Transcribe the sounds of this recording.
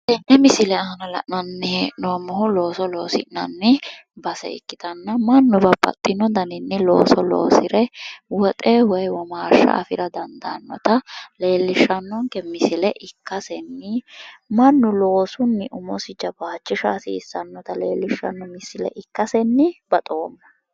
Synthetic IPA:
ʔɛnʔɛmɪsɪlɛɐɦɐnɐlɐ̰ʔnɐnːɛnoːmːɔɦʊlo̞ːsɔlo̞ːsɪ̰ʔnɐnːɪbɐsɛ̰ɪ̰kːɪt̪ɐnːɐmɐnːʊbɐbɐ̰t̪ʼːɪnːɔd̪ɐnɪnːɪlo̰ːsɔlo̰ːsɪɾɛwɔt̪ʼɛwɔjwɔmaːʃːɐ̰ʔɐ̰fɪɾɐd̪ɐnd̪ɐnːɔ̰t̪ɐle̞ːlːɪʃːɐnːɔŋkɛmɪsɪlɛʔɪkːɐsɛnːɪmɐnːʊlo̞ːsʊnːɪʔʊmɔsɪd͡ʒɐbaːt͡ʃːɪʃaːsɪːsːɐnːɔt̪ɐlḛːlːɪʃːɐ̰nːɔmɪsːɪlɛ̰ʔɪkːɐsɛnːɪb̥ɐt̪ʼoːmːɐ̥

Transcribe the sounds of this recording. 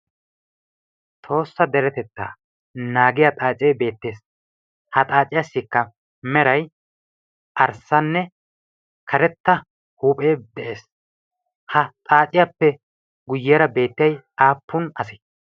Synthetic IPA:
t̪ʼʰo̞ːsːɐd̪ɛɾɛt̪ɛt̪ːa̰ː | naːɡɪjɐt̪ʼaːt͡ʃʼeːbe̞ːt̪ːe̞ːs | hɐt̪ʼaːt͡ʃʼɪjasːiːkːɐ | mɛɾɐj | ʔɐɾsːɐnːɛ | kʰɐɾɛt̪ːɐ | huːpʼeːd̪ɛʔeːs | hɐt̪ʼaːt͡ʃʼɪjapːɛ | ɡʊjːeːɾɐbe̞ːt̪ːɪjɐj | aːpːʊnɐsɪ̥

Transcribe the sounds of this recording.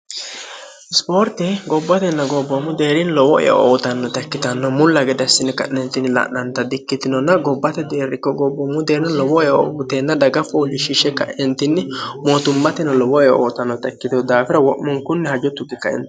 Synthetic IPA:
ɪspo̞ːɾt̪ɛɡɔbːɐt̪ɛnːɐɡɔbːɔmʊd̪eːɾɪnlɔwɔʔɛ̰jɛ̰ʔoːt̪ɐnːɔt̪ɛkːɪt̪ɐnːɔmʊlːɐɡɛd̪ɐsːɪnɪkɐ̰ʔnɛnt̪ɪnːɪlɐ̰ʔnɐnt̪ɐd̪ɪkːɪt̪ɪnɔnːɐɡɔbːɐt̪ɛd̪eːɾːɪkːɔɡɔbːɔmːʊd̪eːnɐnlɔwɔjɔbʊt̪eːnːɐd̪ɐɡɐfɔlɪʃiʃɛkːɐ̰ʔɛnt̪ɪnːɪmoːt̪ʊmːɐt̪ɛnɐlɔwɔja̰o̰ːt̪ɐnːɔt̪ɛkːɪt̪ɔd̪aːfɪɾɐwɔʔmɔŋkʊnːɛhɐd͡ʒɔt̪ːʊɡɪkːɐɛ̰nt̪

